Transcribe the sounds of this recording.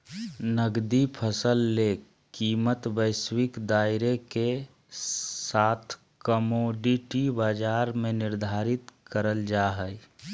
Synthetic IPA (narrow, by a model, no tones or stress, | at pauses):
nəɡd̪ipʰəsəlːe | kiːmət̪bəɪswɪkd̪aːɪɾeke | sat̪ʰ | kəmoɖiʈibaːd͡ʒaɾmẽnɪɾd̪ʱaɾɪt̪kəɾəld͡ʒaɦəj